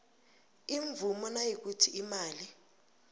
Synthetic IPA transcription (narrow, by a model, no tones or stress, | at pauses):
iɱvumɔnajik̬utʰiʔimaːli